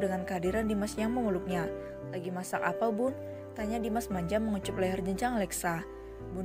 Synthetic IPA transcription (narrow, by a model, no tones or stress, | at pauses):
dəŋankəadiɾandimasɲaŋməŋulʊk̚ɲa | laɡimasaka̰pabʊn | t̪aɲadimasmaɲd͡ʒamːəŋut͡ʃʊp̚lɛɦard͡ʒəɲt͡ʃaŋlɛksa | bun